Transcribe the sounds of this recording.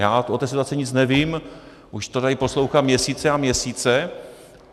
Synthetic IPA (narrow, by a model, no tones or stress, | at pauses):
jaːot̪ːɛːsit̪uat͡sɛɲɪt͡snɛviːm | ʔuʃt̪odajipo̞slowxat̪mɲɛsiːt͡sɛamɲɛsiːt͡sɛ